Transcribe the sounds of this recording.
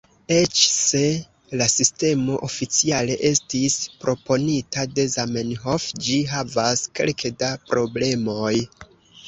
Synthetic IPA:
e̞t͡ʃse̞ | lasiste̞mo̞ʔofit͡siale̞ʔe̞stispɾʔo̞po̞nitade̞zamenɦo̞fd͡ʒiɦavaske̞̰lkʰedapɾo̞ble̞mo̞j

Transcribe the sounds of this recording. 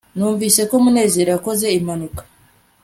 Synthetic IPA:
nuːɱvisekomunezeɾakozeimanukḁ

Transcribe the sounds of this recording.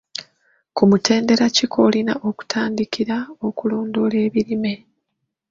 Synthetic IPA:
kumutʰe̞ːnde̞ɾacikʰo̞ːlina̰ʔo̞ku̥tʰaːndikʰiɾao̞kuloːndo̞le̞ːβiɾime̞

